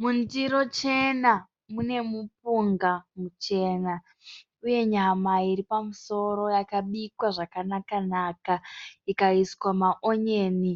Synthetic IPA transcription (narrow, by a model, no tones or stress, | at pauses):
mundiɾo̞t͡ʃe̞na | mune̞mup̚uŋɡamut͡ʃe̞ːna | uje̞ɲamaiɾipamuso̞ɾo̞jakaɓikwaʐakanakanaːkaikaiskwamaʔoɲeːni